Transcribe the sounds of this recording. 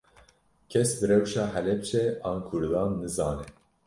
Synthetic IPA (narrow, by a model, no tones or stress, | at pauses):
kʲʰɛsbɨɾɛwʃɑːhɛlɛb̚t͡ʃʰɛɑːnkʰʊɾd̪ɑːnːɨzɑːnɛ